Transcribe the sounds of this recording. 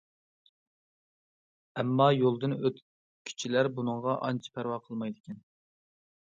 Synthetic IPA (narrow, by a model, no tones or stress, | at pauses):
ɛmːɑjolˠd̪ɨnøt̪ | kʲʰy̥t͡ʃʰilæɾbunɨŋʁɑʔɑ̰nt͡ʃʰi̥pʰæɾwɑːqʰəlˠmɑjd̪ɪkʲʰɛn